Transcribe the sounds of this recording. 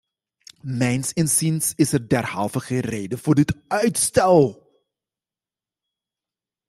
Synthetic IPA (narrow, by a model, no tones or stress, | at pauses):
mɛjnsɪnsinsɪsərdɛrhɑ̰lˠvəχəreːdəfʊːrdətœɥtstɛlˠ